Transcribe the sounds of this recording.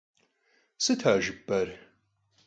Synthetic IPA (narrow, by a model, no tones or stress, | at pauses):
sɨtʰaːʒɨbɐr